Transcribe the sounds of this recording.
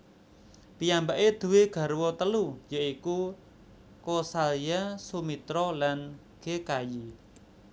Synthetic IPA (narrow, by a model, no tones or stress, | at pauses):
p̪ijambaʔed̪̥ṳweɡ̥a̤ɾwɔt̪əlujaiku | kosalijasumit̪ɾɔlan | ɡ̥ekaji